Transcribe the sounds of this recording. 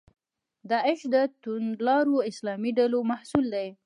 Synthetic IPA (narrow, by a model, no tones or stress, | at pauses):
d̪ɑɪʃd̪ət̪ʊnlɑɾoɪslɑmiɖalomahsuld̪aj